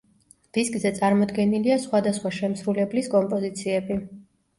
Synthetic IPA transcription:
d̪̥iskʼzɛt̪sʼaɾmɔd̪ɡɛniliasχwad̪asχwaʃɛmsɾulɛbliskʼɔmpʼɔzit̪sʰiɛbi

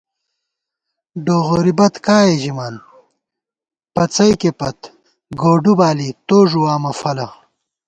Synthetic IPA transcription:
ɖoːɣoːɾibɐt̪kaːjeʑimaːn | pɐt͡sɐjkepɐt̪ | ɡoːɖubaːlit̪oːʐuwaːmɐfɐlɐ

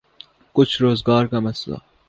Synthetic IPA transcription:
kʊt͡ʃʰɾoːzɡɑːɾkamɐsla̰

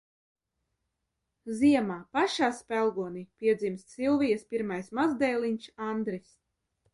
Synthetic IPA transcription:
ziɛmaːpaʃaːspælˠɡuɔnipʲiɛd̪zimst̪silˠvijɐspiɾmajsmazd̪ɛjlˠiɲʲʃand̪ɾis

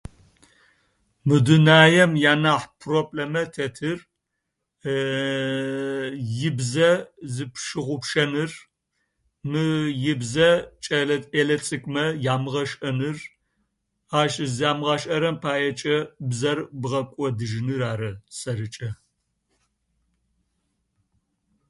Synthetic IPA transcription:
mɨdunaːjɛmjaːnaːħpʰropʼlɐmɐtʰɐtʰɨr | jɪbzɐzɨpʰʃɨʁʷʊpʃɐnɨr | mɨjɪbzɐt͡ʃʼɐɐelɐt͡sʼɨkʷʼmɐjaːmɨʁɐʃʼɐnɨr | aːʃɨzaːmɨʁaːʃʼʔɐɾɐmpʰaːjɛt͡ʃʼɐbzɐrbʁɐkʷʼɔdɨʒnɨraːɾɐsɐɾɨt͡ʃʼɐ

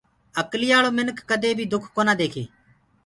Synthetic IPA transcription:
əklɪːaːɭoːmɪnkːəd̪eːbʱiːd̪ʊkʰkoːnaːd̪eːkʰḛː

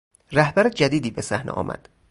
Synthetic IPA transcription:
ræhbæɾed͡ʒæd̪iːd̪iːbe̞sæhnḛʔɒ̰ːmʔæ̰d̪̥

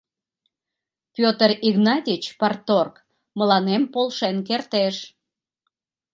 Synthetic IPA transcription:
pʲot̪əriɣnɑt̪ʲit͡ɕpɑrt̪ork | məlɑnempolʃenk̬ert̪eʃ

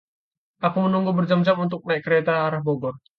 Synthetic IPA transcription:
ʔakumənuŋɡubərd͡ʒamd͡ʒamunt̪̬ʊk̚naikːəɾɛt̪aːɾahbɔɡɔr

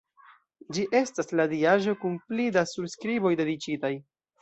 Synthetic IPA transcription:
d͡ʒiʔe̞stasladiaʒo̞kunplidasubskɾibo̞jde̞dit͡ʃitaj

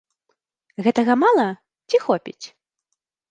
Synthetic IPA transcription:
ɣɛt̪ɐɣɐmalˠɐ | t͡sʲixɔpʲḭt͡sʲ

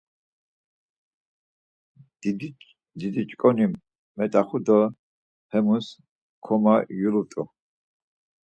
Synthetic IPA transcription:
d̪id̪it͡ʃʼkʼɔnimː | ɛt̪ʼaχud̪ɔ | hɛmus | kʰɔmajulut̪ʼu

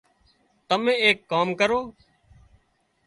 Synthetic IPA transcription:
t̪əmẽːeːkːaːmkəɾoː

